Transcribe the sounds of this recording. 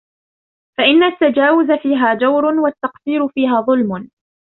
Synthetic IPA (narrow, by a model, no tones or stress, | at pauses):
faʔɪnːat̪ːad͡ʒaːwʊzafiːɦaːd͡ʒawɾʊnwat̪ːɑqsiːɾʊfiːɦaːðˤʊlmʊn